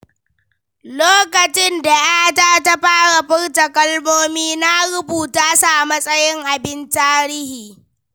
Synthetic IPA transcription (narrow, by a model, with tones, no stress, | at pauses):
loː˦kɐ˨t͡ʃɪ˦nda˨ja˦htaː˦ta˦ɸaː˦ɽa˨ɸɪ˦ɽtɐ˨kʼɐ˦lmoː˦miː˦na˦ɽʊ˦buː˨taː˦sa˨ʔa˨mɐ˦sʼɐ˦jɪ˦ŋʔa˨bɪ˦ntaː˦ɾɪ˦hiː˨